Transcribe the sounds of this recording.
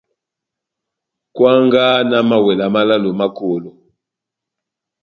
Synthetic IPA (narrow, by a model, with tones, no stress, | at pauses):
kwa˦ŋɡa˦na˦ma˨wɛ˨la˨ma˦la˦lo˨ma˦ko˨lo˨